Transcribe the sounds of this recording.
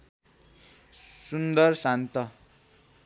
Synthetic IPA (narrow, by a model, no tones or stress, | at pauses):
sund̪ʌrsant̪ʌ